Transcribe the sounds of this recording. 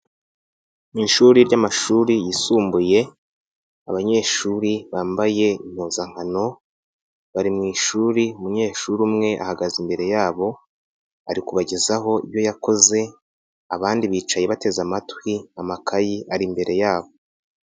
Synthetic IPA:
iʃuɾiɾɟamaʃuːɾijisuːmbuje̞ | aβaɲe̞ːʃuɾiβaːmbaje̞im̥hozaŋ̥hano̞ | βaɾimŋiːʃuːɾiumuɲe̞ːʃuɾumŋe̞ʔa̰haɡazimbe̞ɾe̞jaːβo̞ | aɾikuβaɟezaɦo̞ḭβjo̞jako̞ze̞ | aβaːndiβiːt͡ʃaje̞βate̞zamatwiamakʰajiʔaɾimbe̞ɾe̞jaːβo̞

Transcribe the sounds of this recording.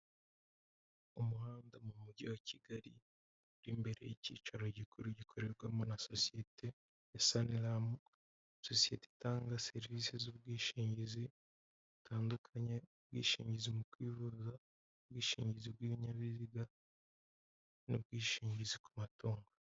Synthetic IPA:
umuhaːndamumuɟiwacʰiɡaɾḭ | ɾimbe̞ɾe̞̰jecḭːt͡ʃaɾo̞ɟikuɾuɟikʰoɾe̞ɾɡwamonaso̞sijetʰe | jasanilamo | so̞sije̞tetaːŋɡase̞ɾviːsezubɡiːʃiːɲɟizi | βutʰaːndukʰaɲebɡḭːʃḭːɲɟizimukwiːβuza | bɡiːʃḭːɲɟizibɡiβiɲaβiziɡa | nṵb̚ɡwiːʃiːɲɟiziku̥matoːŋɡo

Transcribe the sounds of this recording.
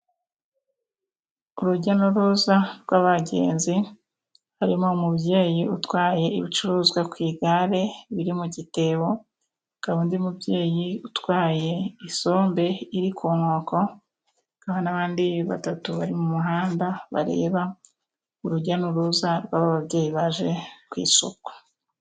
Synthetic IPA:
uɾuɟanuɾuzaɾɡwaːβaɟe̞̰ːnzi | haɾimo̞umubje̞ːjiutwaːje̞iβit͡ʃuɾuːzɡwakwiːɡaɾe̞βiɾimuɟite̞ːβo̞ | ɡ̥aβuːndiumubje̞ːjiutwaːje̞iso̞ːmbe̞iɾikuːnoːko̞ | ɡahonaβaːndiβa̰tatuβaɾimumuɦaːndaβa̰ɾe̞̰ːβa | uɾuɟanuɾuːzaɾɡwaːβaβaβje̞ːjiβaʒe̞kwḭːso̰kwḁ

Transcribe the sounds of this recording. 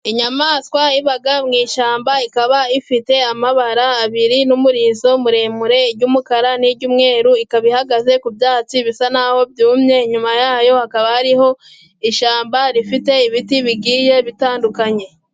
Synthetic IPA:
iɲamaːskwaiβaɡamŋiːʃaːmbaikaβaifite̞amaβaɾaːβiɾinumuɾiːzo̞muɾe̞ːmuɾe̞ɟuːmukaɾaniɾɟuːmŋe̞ːɾuikaβihaɡaze̞kubjaːt͡siβisanaːho̞bjuːmɲe̞ɲumajaːjo̞hakaβahaɾiɦo̞ | iʃaːmbaɾifite̞iβitiβiɡiːje̞βitaːndukaɲe̞

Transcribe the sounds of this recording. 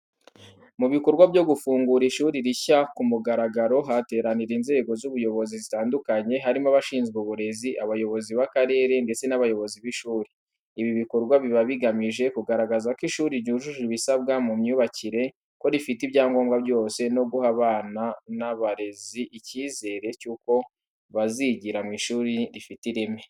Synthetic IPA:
muβiko̞ɾɡwabɟo̞ɡufuːŋɡuɾiʃuːɾiɾiçakumuɡaɾaɡaɾo̞ɦate̞ːɾaniɾinze̞ːɡo̞zuβujo̞βo̞zizitaːndukaɲe̞ɦaɾimaβaʃiːnzɡuβuɾe̞ziʔaβajo̞βo̞ziβakaɾe̞ːɾe̞nde̞t͡se̞naβajo̞βo̞ziβiʃuːɾi | iβiβiko̞ɾɡwaβiβaβiɡamiʒe̞kuɡaɾaɡazakwiʃuːɾiɾɟuʒuʒuiβisabɡamumɲuːβaciɾe̞ | ko̞ɾifitibɟaːŋɡo̞ːmɡabɟo̞ːse̞no̞ɡuhaβaːnanaβaɾe̞ziʔiciːze̞ːɾe̞cuːko̞ | βaziɟiɾamŋiʃuːɾiɾifitiɾeme

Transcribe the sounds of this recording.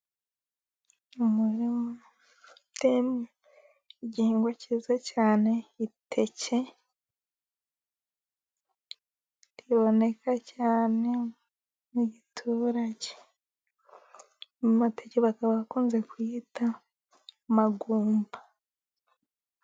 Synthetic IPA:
umuɾimo | temu | iɟiiːŋɡwacizecaːne̞itʰe̞ce̞ | ɾiβo̞ne̞kʰacaːne̞ | muɟitʰuːɾaɟe | muteceβakaβaakuːnze̞kwiːta | maɡuːmba

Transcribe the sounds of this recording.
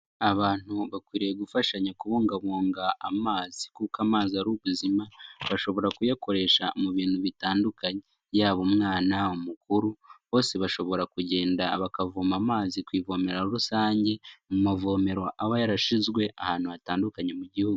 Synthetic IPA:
aβaːn̥huβakwiːɾijeɡufaʃaɲakuβoːŋɡaβoːŋɡaːmaːzikukamaːzaɾuβuzimaβaʃo̞βo̞ɾakujako̞ɾe̞ʃamuβiːn̥huβitaːndukaɲe | jaːβomŋaːnaomukuɾuβo̞ːse̞βaʃo̞βo̞ɾakuɟe̞ːndaβakavomamaːzikwiːvo̞me̞ɾaoɾusaːɲɟe̞mumavo̞me̞ɾo̞ʔaβajaɾaʃizɡwe̞ʔa̰haːn̥huataːndukaɲe̞muɟihuɡu

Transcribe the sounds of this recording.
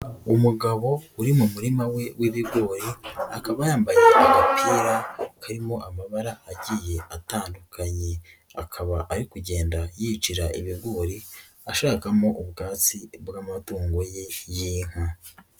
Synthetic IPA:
umuɡaβo̞uɾimumuɾimawe̞wʔiβiɾɡo̞ːɾiakaβajaːmbajeʔaɡapʰiːɾakaɾimo̞ʔamaβaɾaaɟije̞ataːndukʰaɲe̞ | a̰kʰaβaʔːɾikuɟe̞ːndajit͡ʃiɾaʔiβiɾɡo̞ːɾi | aʃaːkamo̞ʔuβɡaːt͡sibɡaːmatuːŋɡoje̞jiːŋ̥a

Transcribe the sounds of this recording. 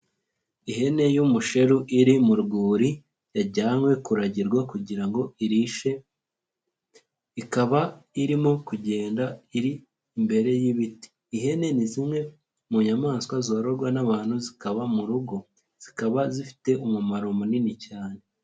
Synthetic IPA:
iɦe̞ne̞jumuʃe̞ɾuʔiɾimuɾɡuːɾi | jaɟaːŋwe̞kuɾaɟiɾɡwakuɟiɾaŋɡo̞iɾiʃe | ikaβaiɾimo̞kuɟe̞ːndaiɾiː | mbe̞ɾe̞jiβiti̥ːɦe̞ne̞nizimŋe̞ | muɲamaːnskwazo̞ːɾoɾɡwanaβaːn̥huzikaβamuɾuɡo̞ | z̥ikaβazifi̥te̞ʔumumaɾomuninicaːne̞

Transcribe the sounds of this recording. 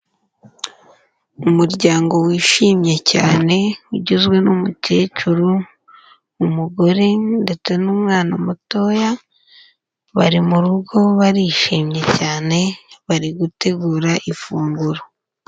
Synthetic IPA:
umuɾɟaːŋɡo̞wiːʃiːmɲe̞caːne̞uɟuzɡwe̞numutʰe̞ːcuɾuː | muɡo̞ɾende̞t͡se̞numŋaːnamuto̞ːja | βa̰ɾimuɾuɡo̞βaɾiːʃiːmɲe̞caːne̞βaɾiɡute̞ɡuːɾaʔifuːŋɡuɾo

